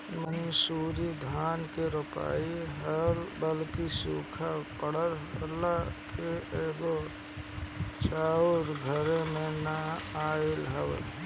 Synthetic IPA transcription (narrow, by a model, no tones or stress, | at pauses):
mənsuːɾid̪ʱaːnkeɾʊpa̰ːiɦəlbəlkisṵːkʰapəɽəɾlːakʰeeːɡo | t͡ʃaːʊɾɡʱəɾemẽnəaːelɦəwl